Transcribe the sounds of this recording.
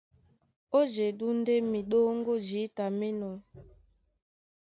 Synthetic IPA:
o˦d͡ʒe˨du˦n̩˦de˦mi˨ɗo˦ŋ˦ɡo˦d͡ʒi˨˦ta˨mi˦nɔ˨

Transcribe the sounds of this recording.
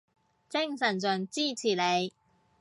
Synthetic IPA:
t͡sɪ˥ŋsɐ˨˩nt͡sɵ˨nt͡siː˥t͡sʰiː˨˩ne˨˧j

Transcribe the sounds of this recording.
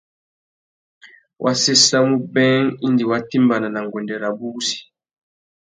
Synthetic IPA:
wʔa˦se˦sa˦mu˦bɛ˦ŋi˦ndi˨wa˦ti˦mba˨na˨na˨ŋ˨ɡɔ˨ndɛ˨ɾa˨bu˦si̥˨

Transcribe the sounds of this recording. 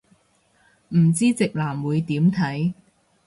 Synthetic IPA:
m̩˨˩t͡siː˥t͡sɪ˨k̚laː˨˩mwuː˨˧jt̪iː˨˥mt̪ʰɐ˨˥j

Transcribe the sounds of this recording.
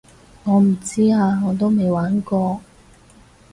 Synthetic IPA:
ŋɔː˨˧m̩˨˩t͡siː˥aː˨˧ŋɔː˨˧t̪̬o˥wme˨˧jwaː˨˥nkɔː˧

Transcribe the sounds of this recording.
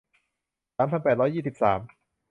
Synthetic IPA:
saː˨˦mpʰa˧˨npɛː˨˩t̪ɾɔː˦˥jiː˨˩si˨˩p̚saː˩˦m

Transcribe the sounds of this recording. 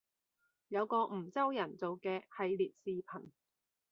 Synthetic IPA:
jɐ˨˧wkɔː˧m̩˨˩t͡sɐ˥wjɐ˨˩nt͡so˨wkɛː˧hɐ˨˧jliː˨t̚siː˨pʰɐ˨˩n

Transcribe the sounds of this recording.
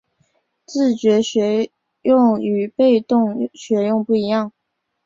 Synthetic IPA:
t͡sɹ̩˥˩t͡ɕɥɛ˧˥ɕɥɛ˧˥ | jʊ˥˩ŋy˨˥˩pe˥˧ɪt̪ʊ˥˩ŋɕɥɛ˧˥jʊ˥˧ŋpu˥˩i˧˥jɑ˥˩ŋ

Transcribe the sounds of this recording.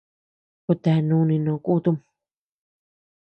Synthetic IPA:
ku˧t̪a˨˧nũ˧˦˧nĩ˧nõ˨˧ku˦t̪u˦m

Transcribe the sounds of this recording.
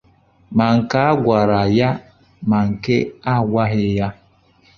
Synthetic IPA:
ma˨ŋ̩˨ka˦a˦ɡʷa˨ɾa˨ja˦ | ma˨ŋ̩˨ke˦a˦ɡʷa˦ɦɪ˦ja˦

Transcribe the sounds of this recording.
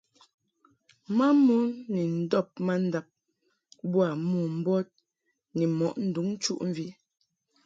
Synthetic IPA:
ma˦mo˦nni˨n̩˨˦dɔ˦˨p̚ma˦n̩˦da˦p̚ | bwa˨mu˨m̩˦bɔ˦t̚ | ni˨mɔ˨ʔn̩˨du˨˦ŋ˦t͡ʃu˦ʔm̩˦vi˦

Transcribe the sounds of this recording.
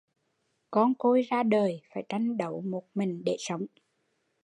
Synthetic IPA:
kɔ˧nko˧jzaː˧ɗəː˨˩jfaː˧˩jt͡ɕa˧jŋɗə˨˧˦wmo˨˩t̚mï˨˩ŋ̟ɗe˧˩sə˨˦wŋ͡m

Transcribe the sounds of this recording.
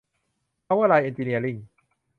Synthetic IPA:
a˧˥waː˥˩laː˧jʔe˧nt̪iː˧ni˧ɐli˥˩ŋ

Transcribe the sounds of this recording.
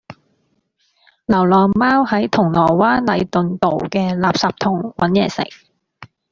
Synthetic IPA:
lɐ˨˩wlɔː˨˩ŋmaː˥whɐ˨˥jt̪ʰʊ˨˩ŋlɔː˨˩jwaː˥nlɐ˨˧jt̪ɵ˨nt̪o˨wkɛː˧laː˨p̚saː˨p̚t̪ʰʊ˨˩ŋwɐ˨˥njɛː˨˩sɪ̰˨˩ŋ̚

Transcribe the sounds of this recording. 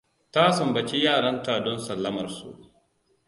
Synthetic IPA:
ta˦sɐ˨mbɐ˨t͡ʃi˦jaː˦˨ɽɐ˦ntaː˨dɔ˦nsɐ˨lːɐ˦mɐ˨rsṵ˨ʔ

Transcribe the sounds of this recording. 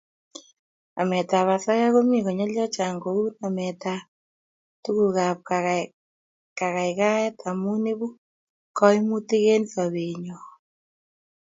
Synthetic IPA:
a̰˨mɛ˨ta˨βa˨sa˦ja˦ko˦mi˦˨kɔ˨ɲɔ˦ljɔ˦t͡ʃa˨ŋɡo˨u˦na˨mɛ˨ta˨ | tu˦ku˨ɣa˨p̚ka˨ | ka˨ka˨i˨ka˦jɛ˦tʰa˨mu˦ni˦bu˦ | kɔ˦i˦mu˦ti˦ke˦nsa˨βe˨ɲɔ˨

